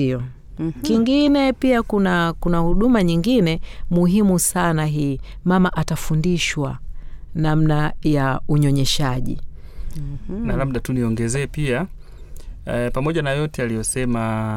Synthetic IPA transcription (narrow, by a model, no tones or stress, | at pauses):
iɔ | kiŋɡinɛpiakunakunahuɗumaɲiŋɡinɛmuɦimusanaɦiː | mamaʔatafundiʃwanam̩najauɲɔɲɛʃaʄḭ | nalab̚ɗatuniɔŋɡɛzɛːpia | pamɔʄanajɔtɛalijɔsɛma